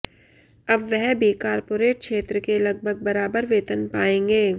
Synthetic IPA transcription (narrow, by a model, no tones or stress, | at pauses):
ɐbʋɛɦbʱikaːɾpoːɾeːʈ̚kʃeːt̪ɾəkelɐɡ̚bʱəɡ̚bɐɾaːbəɾʋeːt̪ənpaːẽːŋɡeː